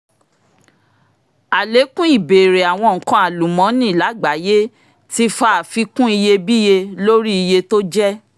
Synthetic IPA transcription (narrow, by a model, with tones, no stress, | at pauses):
a˨le˨˦kũ˦i˦˨be˨ɾe˨a˨w̃ɔ̃˧ŋ̩˨kɔ̃˧˦a˨lu˨mɔ̃˨˦nĩ˦˨la˨˦ɡ͡ba˨˦je˦ | ti˧˦fa˨˦˨fi˧kũ˦i˧je˧bi˦je˧lo˦ɾi˦i˧je˧to˦d͡ʒɛ˦